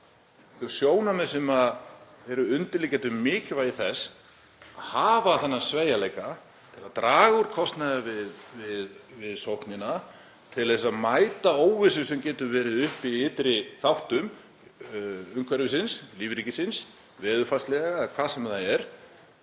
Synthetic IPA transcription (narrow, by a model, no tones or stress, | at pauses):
θusjoːwnamɛ̥sɛmað | ɛɾʏʏnt̪ɪlicɛːt̪ʏmɪːcɪvajiθɛs | aðhaːvaθɛnːasveːjaleːjka | t̪ʰɪlaðt̪ɾaːɣuɾ̥kʰɔst̪naɣavɪðvɪðvɪðsowhknɪna | t̪ʰɪlθɛsːaðmaːjt̪aoːwvɪsʏsɛmcɛːt̪ʏɾvɛːɾɪðʏhpiɪt̪ɾɪθawht̪ʏm | ʏŋkʰvɛɾvɪsɪnsliːvɾicɪsɪns | vɛːðʏfast̪lɛɣakʰvaːðsɛmθaɛɾ̥